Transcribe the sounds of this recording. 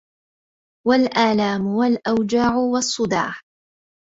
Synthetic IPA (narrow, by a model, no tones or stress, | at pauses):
walʔaːlaːmʊwalʔawd͡ʒaːʕʊwɑsˤːʊd̪a̰ːħ